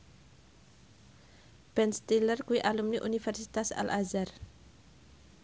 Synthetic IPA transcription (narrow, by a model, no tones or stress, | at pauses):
b̥ɛnst̪ilərkuiʔalumniʔunifɛrsit̪asa̰lʔazar